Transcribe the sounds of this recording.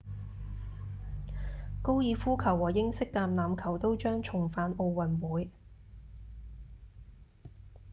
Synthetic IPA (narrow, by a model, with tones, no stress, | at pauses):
ko˥wjiː˧fuː˥kʰɐ˨˩wːɔː˨˩jɪ˥ŋsɪ˥k̚t̪aː˧mnaː˨mkʰɐ˨˩wt̪o˥wt͡ʃœː˥ŋt͡ʃʰʊ˨˩ŋfaː˨˧no˧wwɐ˨˩nwuː˨˧j